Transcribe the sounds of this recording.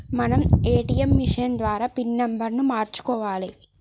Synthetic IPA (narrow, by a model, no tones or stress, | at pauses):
mɐnɐmeːʈijɐmʋiʂɐjɐnd̪ʋaːɾaːpinːembɐɾnumaːɾt͡ʃu̥kɔːʋaːli